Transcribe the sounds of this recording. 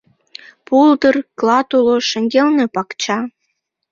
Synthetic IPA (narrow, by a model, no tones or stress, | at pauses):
puld̪ərklɑt̪uloʃə̆ŋɡelnepɑkt͡ɕɑ